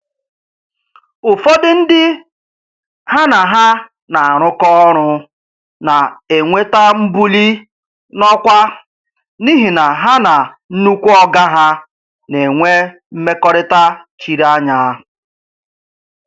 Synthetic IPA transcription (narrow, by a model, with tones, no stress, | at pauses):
ʊ˨fɔ˦dɪ˦n̩˦dɪ˦ | ha˦na˨ɦa˦ | na˨a˨ɾ̃ʊ˦kɔ˦ɾ̃ʊ˦ | na˨e˨ŋʷe˦ta˦m̩˦bu˦li˦ | nɔ˦kʷa˦ | ni˦ɦi˨na˨ɦa˦na˨ | n̩˦nu˦kʷu˦ɔ˦ɡa˦ɦa˦ | ne˨ŋʷe˦ | m̩˦me˦kɔ˦ɾɪ˦ta˦t͡ʃi˨ɾa˦ɲa˦